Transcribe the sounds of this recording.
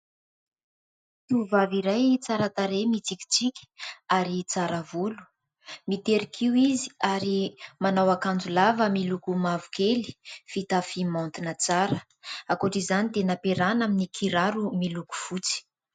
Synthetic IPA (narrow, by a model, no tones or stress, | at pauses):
kiuvaviɾajt͡saɾat̪aɾemit͡sikʲi̥t͡sikʲə̥aɾit͡saɾavulu̥ | mit̪eɾikʰiwiziaɾimanawakand͡zulavəmilukumavukeli̥fit̪afimant̪inət͡saɾə | akoʈ͡ʂizanid̪enapeɾanaminikʰiɾaɾumiluku̥fut͡si̥